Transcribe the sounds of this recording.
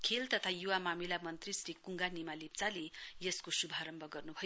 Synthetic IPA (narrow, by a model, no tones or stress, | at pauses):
kʰelt̪ʌt̪ʰajuwamamilamʌnt̪risrikuŋɡanimalip̚t͡salejʌskosubʱaɾʌmbʱʌɡʌrnubʱʌj